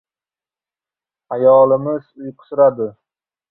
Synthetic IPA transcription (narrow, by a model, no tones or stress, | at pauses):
ajɒlˠɪmɪz̥ʊjqʰʊ̥sʊɾad̪ɪ